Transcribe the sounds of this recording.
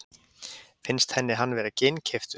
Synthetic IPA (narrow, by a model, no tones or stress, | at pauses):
fɪnst̪hɛnːɪɦanːvɛːɾacejncʰɛft̪